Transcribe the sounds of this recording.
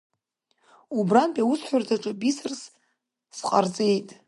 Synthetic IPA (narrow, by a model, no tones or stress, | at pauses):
ubranpʼausħʷarzaʈ͡ʂʼɨbisɨrs | sqʼart͡sʼe̞jtʼ